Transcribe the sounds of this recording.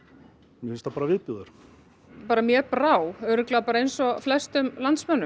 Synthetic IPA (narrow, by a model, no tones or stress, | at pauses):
mjɛfɪnst̪apaːɾavɪːðpjuðaɾ̥ | paːɾamjɛːpɾaːwœɾɪklɛapaːɾaejnsɔflɛst̪ʏmlant̪smœnːʏ